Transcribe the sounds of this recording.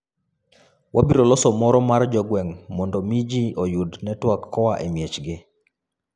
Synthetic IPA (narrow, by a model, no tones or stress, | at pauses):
wʔabiɾɔlɔsɔmɔɾɔmard͡ʒɔɡwɛŋmɔndɔmid͡ʒiojudnɛtwakːɔwaʔemjet͡ʃɡɪ